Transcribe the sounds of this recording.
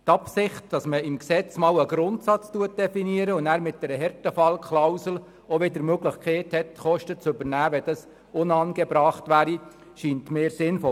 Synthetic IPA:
tɑpsɪχtd̥ɑsməɪmksɛt͡smɑːləɡ̥ɾʊntsɑt͡stuət̚d̥ɛfiniəɾəʊnæːɾmɪt̚d̥ɛɾəɦɛɾtəfɑlkχlawsl̩ | ɔʋɪdəɾmøɡlɪχkʰɛɪthɛtχɔʃtət͡sʏbəɾnæːʋɛd̥ɑs | ʊnɑnɡɛbɾɑːχtʋæːɾi | ʃiːntmeːɾsɪnfɔ

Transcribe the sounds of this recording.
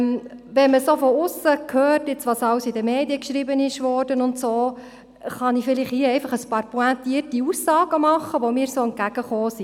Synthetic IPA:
m | ʋɛnməsoːfɔʊsəkʰøːrtɪt͡sʋɑsɑwsid̪əmeːdiəkʃɾibənɪʃʋɔːrd̥ənʊntsoː | χɑnifɪlɪχhiəɛɪfɑχəspɑːɾpuæntiːərtiusːɑːɡəmɑχːəʋɔmɪːɾsoːən̚ɡ̥æɡ̥əχoːsi

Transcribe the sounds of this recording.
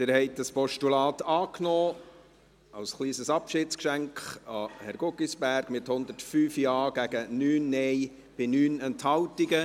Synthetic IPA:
d̥̪ɪːɾhɛɪt̚d̥ɑspɔʃtulɑːt̪ɑːknɔː | ɑwsχliːsəsɑpʃɪtt͡skʃæŋkχɑhɛɾɡʊɡisb̥æɾɡ̥mɪthʊnd̪ətfyːfjɑːɡ̥æɡ̥ənyːnːɛj | b̥ɪnyːnɛnthɑwtiɡə

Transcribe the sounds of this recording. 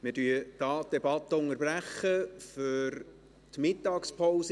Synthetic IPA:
mɪdyəd̥ɑːt̚d̥ɛbɑt̪ːəʊŋəɾbræχəfʏɾ | t̪mɪt̪ːɑːkspʰoʊsə

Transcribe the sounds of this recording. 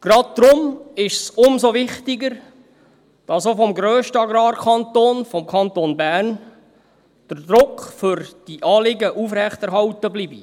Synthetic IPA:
ɡ̥ɾɑd̚d̪̥ɾʊmɪʃsʊmzoʋɪχtɪɡəɾ | d̥ɑsofɔmɡɾøːʃtəɑɡɾɑːɾkʰɑnt̪oːnfɔmkʰɑnt̪onbæːrn | d̥əɾdɾʊkfʏɾd̥iʔɑːlɪɡəʔufɾɛχtɛɾɦɑwtəbliːbi

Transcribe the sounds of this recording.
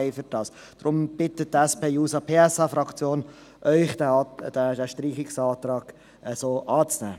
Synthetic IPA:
ɪfʏɾd̥ɑːs | d̥rʊmb̥ɪtət̚dæspʰeːjuːsɑpʰeːɛsɑfɾɑkt͡sjoːn | ʔœʏχd̥d̥ædæʃtriːχɪksɑːt̪ɾɑːɡ̥ | ʔɛsoːʔɑːt͡snæ̰ː

